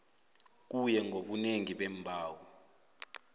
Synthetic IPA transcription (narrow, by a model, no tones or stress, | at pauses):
k̬ujɛŋɡʱoɓuneŋiɓɛmbʱaːwi